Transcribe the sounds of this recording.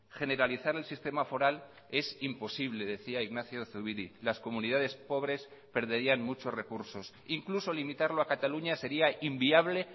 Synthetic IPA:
xe̞ne̞ɾaliθaɾe̞lsist̪e̞mafo̞ɾal | e̞simpo̞siβle̞ðe̞θiaiɣnaθjo̞θuβiɾilasko̞mũniðað̞e̞spo̞β̞ɾe̞spe̞ɾðe̞ɾianmut͡ʃo̞sre̞kuɾso̞s | iŋkluso̞limit̪aɾloakat̪aluɲase̞ɾiaimbiaβle̞

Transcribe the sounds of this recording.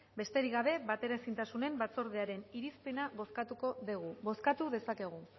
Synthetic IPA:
be̞st̪e̞ɾiɣaβe̞βat̪e̞ɾaesint̪asune̞mbat͡so̞ɾðeaɾe̞niɾispe̞naβo̞skat̪uko̞ðeɣuβo̞skat̪uðe̞sake̞ɣ̞u

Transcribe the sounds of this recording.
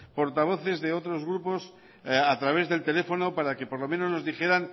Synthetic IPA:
po̞ɾt̪aβ̞o̞θe̞zðe̞o̞t̪ɾo̞zɣɾupo̞s | at̪ɾaβ̞e̞zðe̞lt̪e̞le̞fo̞no̞paɾake̞po̞ɾlo̞meno̞zno̞zðixe̞ɾan

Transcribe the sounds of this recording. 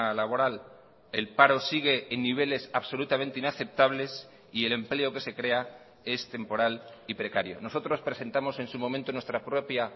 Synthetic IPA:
alaβo̞ɾal | e̞lpaɾo̞siɣ̞e̞ːnːiβ̞e̞le̞saβso̞lut̪amẽ̞nt̪einaθe̞p̚t̪aβ̞le̞s | ie̞le̞mple̞o̞ke̞se̞kɾe̞a | e̞st̪e̞mpo̞ɾalipɾe̞kaɾjo̞̰no̞so̞t̪ɾo̞spɾe̞se̞nt̪amo̞se̞nsumo̞mẽnt̪onwest̪ɾapɾo̞pja

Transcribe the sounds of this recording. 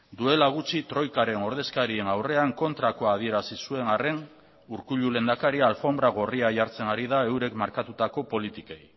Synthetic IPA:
d̪ue̞laɣ̞ut͡ʃit̪ɾo̞jkaɾe̞no̞ɾð̞e̞skaɾie̞nawre̞aŋko̞nt̪ɾako̞að̞ie̞ɾasisue̞ŋare̞n | uɾkuʎule̞nd̪akaɾialfo̞mbɾaɣ̞o̞riaʝaɾt͡se̞naɾiðae̞wɾe̞kmaɾkat̪ut̪ako̞po̞lit̪ike̞j

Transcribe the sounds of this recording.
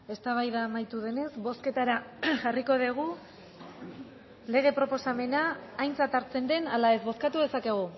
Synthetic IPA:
e̞st̪aβ̞ajðaːmajt̪uðe̞ne̞zbo̞ske̞t̪aɾaʝariko̞ðiɣ̞u | le̞ɣ̞e̞pɾo̞po̞same̞naːjnt͡sat̪aɾt͡se̞nd̪e̞nalae̞zβo̞skat̪uðe̞sake̞ɣ̞u

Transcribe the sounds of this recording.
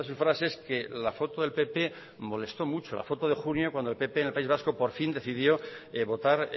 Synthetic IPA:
es̬usfɾaseske̞lafo̞t̪oðe̞lpe̞pe̞ | mo̞le̞st̪o̞mut͡ʃo̞la̰fo̞t̪oð̞e̞xunjokwand̪olpe̞penelpaizβasko̞po̞ɾfind̪e̞θiðjo̞eβo̞t̪aɾ

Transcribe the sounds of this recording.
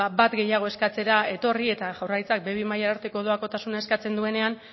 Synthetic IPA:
abat̪ɡe̞jaɣ̞o̞e̞skat͡se̞ɾae̞t̪o̞rie̞t̪aʝawrajt͡sak̚beβimajaːɾt̪e̞ko̞ðo̞ako̞t̪asunae̞skat͡se̞nd̪ue̞ne̞an

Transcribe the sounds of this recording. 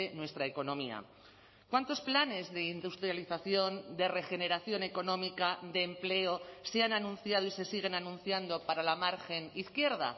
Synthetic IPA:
enwe̞st̪ɾaeko̞nõ̞mia̰ | kwant̪o̞splane̞zðe̞ind̪ust̪ɾjaliθaθjo̞nd̪e̞re̞xe̞ne̞ɾaθjo̞neko̞nõ̞mikad̪e̞ːmple̞oseananũnθjaðoise̞siɣ̞e̞nanũn̟θjand̪o̞paɾalamaɾxe̞niθkje̞ɾð̞a̰

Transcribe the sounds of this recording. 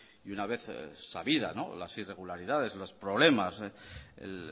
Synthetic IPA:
iunaβe̞θsaβiða̰no̞̰lasire̞ɣ̞ulaɾiðaðe̞zlospɾo̞βle̞masḛl

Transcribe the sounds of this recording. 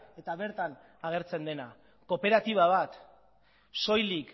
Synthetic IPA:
e̞t̪aβe̞ɾt̪an | aɣ̞e̞ɾt͡se̞nd̪e̞na | ko̞pe̞ɾat̪iβ̞aβ̞at̪ | so̞jlik

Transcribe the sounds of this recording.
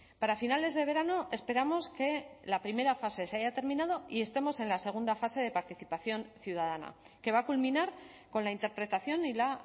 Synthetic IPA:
paɾafinale̞zðe̞β̞e̞ɾano̞e̞spe̞ɾamo̞ske̞lapɾime̞ɾafase̞seaʝat̪e̞ɾmĩnað̞o̞ie̞st̪e̞mo̞se̞nlase̞ɣ̞und̪afase̞ð̞e̞paɾt̪iθipaθjo̞nθjuðað̞ana̰ | ke̞β̞akulmĩnaɾko̞nlaint̪e̞ɾpɾe̞t̪aθjo̞nila

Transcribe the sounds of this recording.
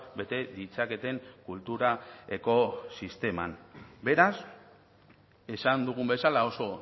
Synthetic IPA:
be̞t̪e̞ðit͡sake̞t̪e̞ŋkult̪uɾaeko̞sist̪e̞ma̰nbe̞ɾas | e̞sand̪uɣ̞umbe̞salao̞so̞

